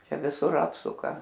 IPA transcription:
ˈt͡ʃʲɛ ʋʲɪˈsʊr ˈɑːpsʊkɐ

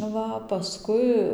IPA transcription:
ˈʋɐ pɐˈskʊɪ

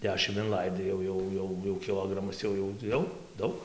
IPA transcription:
ˈdʲæːʃʲɪm ɪnˈlˠɐɪdɐɪ ˈjɛʊ ˈjɛʊ ˈjɛʊ jɛʊ kʲɪˈlˠoːɡrɐmɐs ˈjɛʊ jɛʊ ˈjɛʊ ˈdɐʊk

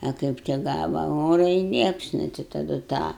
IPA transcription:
ɐ ˈkɐɪp tʲɪk ˈɡɑːʋɐ ˈoːrɐ ɪ ˈlʲiɛpsnʊ tɐɪ tɐˈdʊ tɑː

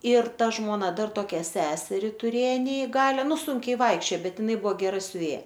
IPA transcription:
ɪr ˈtɐ ʒmoːˈnɐ ˈdɐr toːˈkʲɛ ˈsʲæːsʲɛrʲɪ tʊˈrʲeː nʲɛɪˈɡɑːlʲɛ ˈnʊ ˈsʊŋʲkʲɛɪ ˈʋɐɪkʃʲt͡ʃʲoː ˈbʲɛt ɪˈnɐɪ ˈbuɔ ɡʲɛˈrɐ sʲʊˈʋʲeːjɛ

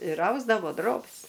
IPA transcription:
ɪr ˈɐʊzdɐʋoː ˈdroːbʲɪs

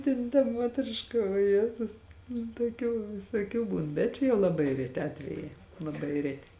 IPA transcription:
ˈtʲeːn tɐ ˈmuɔtʲrʲɪʃkɐ oː ˈjeːtʊs nʊ tuɔˈkʲuː ʋʲɪsuɔˈkʲuː ˈbuːn bʲɛt ˈt͡ʃʲɛ jɛʊ lˠɐˈbɐɪ rʲɛˈtʲɪ ˈɑːtʲʋʲɛjɛɪ lˠɐˈbɐɪ ˈrʲæːtʲɪ

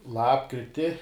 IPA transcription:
ˈlˠɑːpkrʲɪtʲɪ

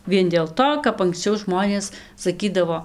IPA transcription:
ˈʋʲiɛn dʲeːlˠ ˈtoː kɐp ɐŋksʲˈt͡ʃʲɛʊ ˈʒmoːnʲeːs sɐˈkʲiːdɐʋoː

